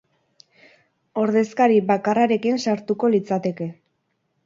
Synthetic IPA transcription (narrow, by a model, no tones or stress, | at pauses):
o̞ɾðe̞skaɾibakaraɾe̞kinsaɾt̪uko̞lit͡sat̪e̞ke̞